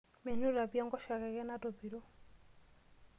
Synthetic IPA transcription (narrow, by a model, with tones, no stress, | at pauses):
mɛ˨nu˦ɾa˨pja˦ŋɡɔ˦ʃa˨kɛ˨kɛ˦na˦tɔ˨pi˨ɾɔ˦